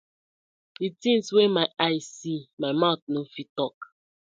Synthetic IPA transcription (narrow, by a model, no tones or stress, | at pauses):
itĩnswemaɪʔaɪsimaɪmaʊtnofitɔk